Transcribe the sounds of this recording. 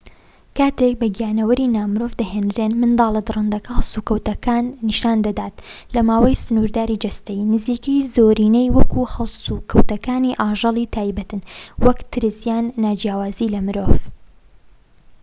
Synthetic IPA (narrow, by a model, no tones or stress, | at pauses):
kaːt̪ek̚bɐɡijaːnɐwɐɾinaːmɨɾovd̪ɐɦeːnɾenmɨnd̪ɑːlˠɐd̪ɨrɨnd̪ɐkʰɐhɐlsukɐwt̪ɐkaːnːiʃaːnd̪ɐd̪aːt̪ | lɐmaːwɐjsɨnuɾd̪aːɾid͡ʒɐst̪ɐjnɨziːkɐjzoːɾiːnejwɐkuhɐlsukʰɐwt̪ɐkaːniʔaːʒɑlˠiːt̪ʰaːjbɐt̪ɨnwɐkt̪ʰɨɾɨsjaːnːaːd͡ʒjaːwaːziːlɐmɨɾoːv